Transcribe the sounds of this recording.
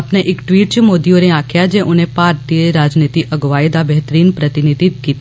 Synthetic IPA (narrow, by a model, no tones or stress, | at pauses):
ɐpneʔɪkʈʋiːʈt͡ʃmoːd̪ijoɾeaːkʰjad͡ʒeʔʊnẽpaːɾt̪ieɾaːd͡ʒniːt̪iʔʔɐɡʋaːjd̪abɛɦt̪əɾiːnpɾɐt̪ɪniːd̪ʱit̪̚kiːt̪